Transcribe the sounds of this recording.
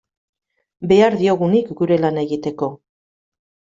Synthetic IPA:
be̞aɾðio̞ɣunikɡuɾe̞lane̞ɣit̪e̞ko̞

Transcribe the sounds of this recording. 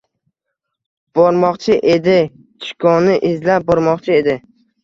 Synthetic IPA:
b̥ɒɾmɒqt͡ʃʰɪʔed̪ɪ | t͡ʃʰɪ̥kʰɒnɪʔɪzlap̚bɒɾmɒqt͡ʃʰɪe̞d̪ɪ

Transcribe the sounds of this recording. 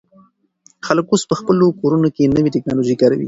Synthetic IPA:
xaləkospəxpəlokoɾunokenəwiʈɪknɑloʒikɑɾa̰wḭ

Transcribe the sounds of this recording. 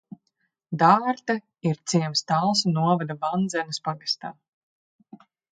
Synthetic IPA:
d̪aːɾt̪a | iɾt̪siɛmst̪alˠsunuɔvad̪avand̪zɛnɨspaɡast̪aː

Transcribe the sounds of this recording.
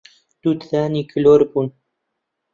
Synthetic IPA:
d̪̥ud̪θaːniːkʰəloːɾbuːn

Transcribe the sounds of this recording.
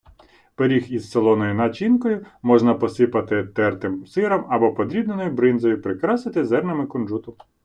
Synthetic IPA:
peɾʲixizselˠɔnɔjʊnɐt͡ʃinkɔjʊmɔʒnɐpɔsɪpɐt̪ɪt̪ɛrt̪ɪmsɪɾɐmɐbɔpɔd̪ɾʲid̪nenɔjʊbɾɪnzɔjʊpɾɪkɾɑsɪt̪ɪzɛrnɐmɪkɔnʒut̪ʊ

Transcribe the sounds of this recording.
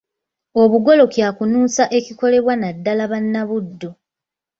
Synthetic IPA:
o̞βuɡo̞lo̞kjaːkunuːsaʔe̞ciko̞le̞βwanadːalaβanːaβudːo̞

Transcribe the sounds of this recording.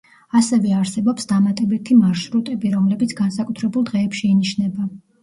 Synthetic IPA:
asɛvɛaɾsɛbɔpsd̪amat̪ʼɛbit̪ʰimaɾʃɾut̪ʼɛbiɾɔmlɛbit̪sʰɡansakʼut̪ʰɾɛbulˠd̪ʁɛːpʃɛiniʃnɛba

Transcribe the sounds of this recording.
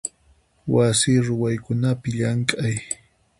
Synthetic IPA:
wasiːɾʊwajkʊnapɪʎaŋkʼaj

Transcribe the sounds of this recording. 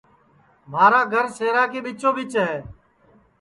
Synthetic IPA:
m̤aːɾaːɡʱəɾseːɾaːkeːɓɪt͡ʃõːbɪt͡ʃɦeː

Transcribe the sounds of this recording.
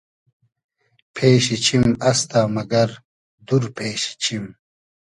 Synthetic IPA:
pʰeːɕit͡ɕʰimɐst̪aːmɐɡɐɾ | d̪uɾpʰeːɕi̥t͡ɕʰim

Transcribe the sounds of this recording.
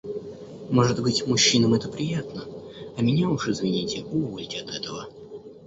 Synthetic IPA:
mo̞ʐɨt̪bɨtʲmʊɕːinəmɛt̪əpɾʲɪjat̪nəɐmʲɪnʲaʊʂɨzvʲɪnʲitʲɪʊvo̞lʲtʲɪɐt̪ɛt̪əvə

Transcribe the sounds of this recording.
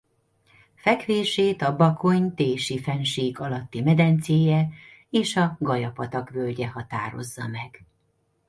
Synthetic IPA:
fɛkʋeːʃeːt̪ɒbɒko̞ɲt̪eːʃifɛnʃiːɡɒlɒt̪ːimɛd̪ɛnt̪seːjɛ | eːʃɒɡɒjɒpɒt̪ɒkʋølɟɛhɒt̪a̰ːɾo̞̰zːɒmɛɡ̥

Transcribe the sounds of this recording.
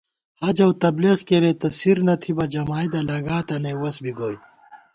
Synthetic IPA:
hɐd͡ʑɐwt̪ɐbleɣkeɾet̪ɐsiɾnɐt̪ʰibɐd͡ʑɐmaːjd̪ɐlɐɡaːt̪ɐnewɐsbiɡoːj

